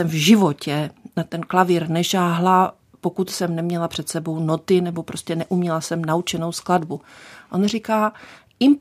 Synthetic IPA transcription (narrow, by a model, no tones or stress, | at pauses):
ɛmvʒɪvo̞cɛnat̪ɛnklavɪɾnɛʃaːɦla | po̞kut̪sɛmnɛmɲɛlapr̝̥ɛt̪sɛbo̞wno̞t̪ɪnɛbo̞pɾo̞scɛnɛʔumɲɛlasɛmnaut͡ʃɛno̞wskladbuʔo̞nr̝ikaː | ɪm